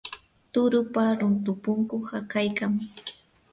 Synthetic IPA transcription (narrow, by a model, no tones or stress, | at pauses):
t̪ʊɾʊpaɾʊnt̪ʊpʊŋkoχakajkam